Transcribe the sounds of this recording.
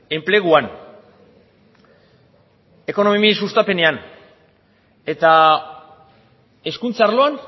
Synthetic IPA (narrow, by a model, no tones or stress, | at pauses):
e̞mple̞ɣuan | e̞ko̞no̞mimisust̪ape̞ne̞an | e̞t̪a | e̞skunt͡saaɾlo̞an